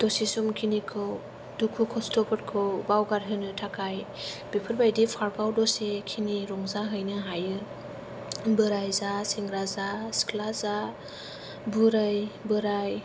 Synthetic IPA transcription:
d̥ɔsisumkʰinikʰɯw | dukʰukʰɔstʰɔpʰɯt̚kʰɯwbawɡaɾɦɯnɯtʰakʰaj | b̥epʰɯɾbajdipʰaɾɡawdɔsekʰiniɾɔŋzaɦɯjnɯɦajɯ | bɯɾajzasiŋɡɾazaskʰlaza | buɾajbɯɾaj

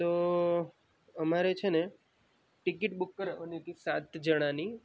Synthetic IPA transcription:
t̪o | əmaɾet͡ʃʰene | ʈikiʈbukːəɾeənit̪isat̪ʰd͡ʒəɽ̃ãni

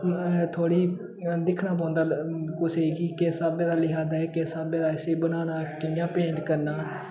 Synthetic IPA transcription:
t̪ʰoːɽiː | d̪ɪkʰnaːp̬ãːʊ̃nd̪aːkʊsekiːkesaːbẽːd̪aːlɪɦaːdaːɛːkesaːbẽːd̪aːɪsebənaːnaːkɪnjãːpẽːɳɖkəɾnaː

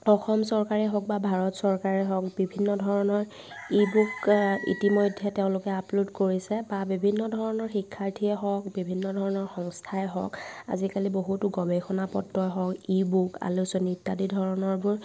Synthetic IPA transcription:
ɔxɔmsɔɹkaɹɛɦɔk̚babʱaɹɔtsɔɹkaɹɛɦɔk̚bibʱinːɔdʱɔɹɔnɔɹ | ibukḭtimɔjdʱːɛteʊ̃lʊkɛapludkoɹisɛbabibʱinːɔdʱɔɹɔnɔɹxikʰːaɹtʰiɛɦɔkbibʱinːɔdʱɔɹɔnɔɹxɔŋstʰajɛɦɔ̰ka̰zikaliboɦutʊɡɔbexɔnapɔ̰tːɔjɦɔkibuka̰lusɔnitːadidʱɔɹɔnɔɹbʊɹ

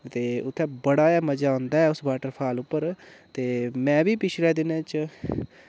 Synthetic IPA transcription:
t̪eːʊt̪ʰːɛ̃ːbəɽaːaːməd͡ʒaːõːnd̪aːɛːʊsbaːʈəɾpʰaːlʊpːəɾt̪eːmɛ̃ːbiːpɪt͡ʃʰlɛːd̪ɪñt͡ʃ

